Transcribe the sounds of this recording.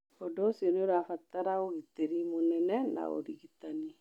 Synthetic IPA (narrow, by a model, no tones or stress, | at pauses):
ɔdɔsjoneoɾafataɾaoɣiteɾimonɛnɛna̰o̰ɾiɣitani